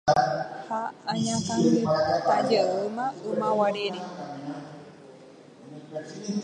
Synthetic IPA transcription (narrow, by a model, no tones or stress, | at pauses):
haaɲãka | ad͡ʒeʔɨmãɨmãwaɾeɾe